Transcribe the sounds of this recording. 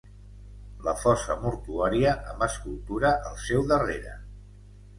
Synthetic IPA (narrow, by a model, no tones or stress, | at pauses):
ləfɔsəmuɾt̪uaɾiəʔəmbəskulˠt̪uɾəʔəlˠsɛwðəreɾə̰